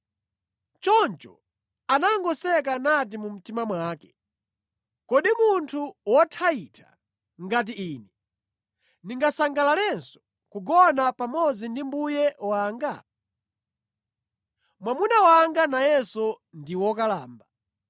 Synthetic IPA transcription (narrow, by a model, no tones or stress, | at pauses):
t͡ʃɔnt͡ʃɔ̰ | anaɔŋɡɔsɛk̬anat̬imum̩timamwaːkɛ̥ | kɔɗimuntʰuwɔtʰaitʰa̰ | ŋɡat̬iiːnɛ | niŋɡasaŋɡalalɛnsɔ̥ | kuɡɔnapamɔd͡zindimbujɛwaːŋɡa | mwamunawaŋɡanajɛsɔ | ndiwɔk̬alaːmba